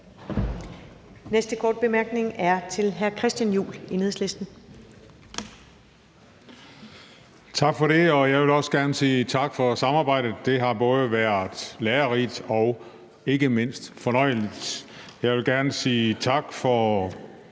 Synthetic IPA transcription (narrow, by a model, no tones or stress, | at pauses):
nesd̥əkʰɒːd̥̚b̥e̝mæɐɡ̥ne̝ŋæɐt͡sʰe̝lɦæɐkʰʁɛsd̥jænjṵːline̝ðˠsle̝sd̥n̩ | t͡sʰɑ̈ɡ̥fɒ̽ɾe̝ɒ̽jɑ̈ɪʋe̝lɒ̽səɡ̥æɐnəsiːt͡sʰɑ̈ɡ̥fɒ̽sɑ̈mɑ̈ːb̥ɑ̈ɪ̰d̥ð̩əd̥e̝ɦɑ̈b̥ɔ̽ːð̞ˠəʋæɐ̰d̥ˠleːɐʁid̥ɒ̽ʊ | e̝ɡ̥əme̝n̰sd̥fɒ̽nɒɪ̰əlid̥ | jɑ̈ɪʋe̝lɡ̥æɐnəsiːt͡sʰɑ̈ɡ̥fɒ